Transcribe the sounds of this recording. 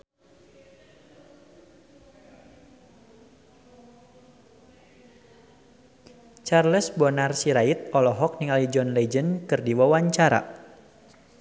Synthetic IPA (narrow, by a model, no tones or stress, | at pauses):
t͡ʃarləsbɔnarsiɾait̪̚ɔlɔɦɔk̚niŋalid͡ʒɔnlɛd͡ʒənkɨrdiwawaɲt͡ʃaɾa̰